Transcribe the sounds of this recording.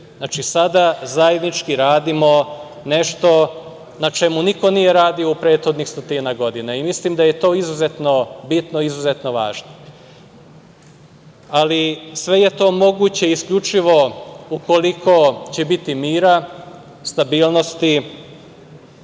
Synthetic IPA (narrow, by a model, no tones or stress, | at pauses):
nat͡ʃisad̪azaje̞d̪nit͡ʃkiɾaːd̪imo̞ | ne̞ʃt̪o̞ | nat͡ʃe̞muniko̞nije̞ɾaːd̪io̞upɾeːt̪xo̞d̪nixst̪ot̪inaɡo̞d̪ineimislimd̪aje̞t̪o̞ːizuzet̪no̞bit̪no̞izuze̞t̪no̞ʋa̰ːʒno | alisʋe̞je̞t̪o̞ːmo̞ɡut͡ɕe̞iiskʎut͡ʃiʋo̞uko̞likʰo̞t͡ɕebit̪imiːɾa | st̪abiːlno̞st̪i